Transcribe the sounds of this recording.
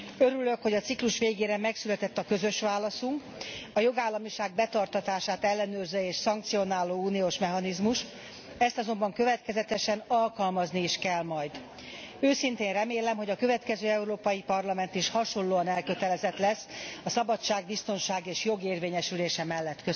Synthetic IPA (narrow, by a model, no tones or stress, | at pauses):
øɾylø̞kho̞ɟɒt̪sikluʃʋeːɡeːɾɛmɛksylɛt̪ɛt̪ːɒkø̞zø̞ʃʋaːlɒsuŋk | ɒjo̞ɡaːlːɒmiʃaːɡ̚bɛt̪ɒrt̪ɒt̪aːʃaːt̪ɛlːɛnøːrzøːeːʃsɒŋk̚t̪sijo̞naːlːoːuːnijoːʃmɛɦɒnizmuʃt̪ | ɛst̪ɒzo̞mbɒŋkøvɛt̪kɛzɛt̪ɛʃɛnɒlkɒlmɒzniiʃkɛlmɒjd̪ | øːsint̪eːnrɛmeːlɛmɦo̞ɟɒkø̞vɛt̪kɛzøːɛuɾoːpɒjipɒrlɒmɛnt̪iʃhɒʃo̞nlːoːɒnɛlkø̞t̪ɛlɛzɛt̪lɛsːɒsɒbɒt͡ʃːaːɡ̚bist̪o̞nʃaːɡeːʃjo̞ɡeːrveːɲɛʃyleːʃɛmɛlːɛt̪kø